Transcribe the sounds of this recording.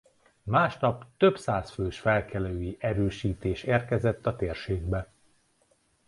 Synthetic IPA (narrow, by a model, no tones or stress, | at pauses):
maːʃnɒpt̪øbsaːsføːʃfɛlkʰɛløːjiʔɛɾøːʃiːt̪eːʃeːrkɛzɛt̪ːɒt̪eːrʃeːɡbɛ